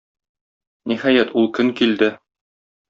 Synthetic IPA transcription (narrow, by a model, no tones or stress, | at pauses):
nihæjæt̪ulˠkɵŋkild̪ɘ